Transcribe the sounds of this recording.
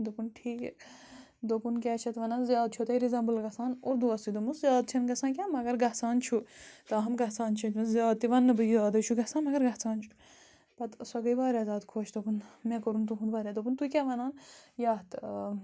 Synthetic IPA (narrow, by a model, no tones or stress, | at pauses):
d̪opunʈʰiːkɛ̰ | d̪opunkʲaːt͡ʃʰɐt̪ʋɐnanzjaːd̪̚t͡ʃʰot̪ɐiɾizɐ̃ːmbɨlɡɐsaːnuɾd̪uɐsid̪omuszjaːd̪̚t͡ʃʰɐnɡɐsãːkʲaːmɐɡɐɾɡɐɦt͡saːnt͡ʃʰut̪ɐɦɐmɡɐt͡saːnt͡ʃʰɐt̪ɐnzjaːd̪̚t̪iʋɐnːɨbɨzaːd̪ɐt͡ʃʰuɡɐsãːnmɐɡɐɾɡɐt͡saːnt͡ʃʰu̥ | pɐt̪sɐɡɐiʋaːɾʲaːzʲaːd̪kʰoːt͡ʃd̪opunmẽkɐɾunt̪uɦunʋaːɾʲad̪opunt̪ukʲaʋɐnaːnjaːt̪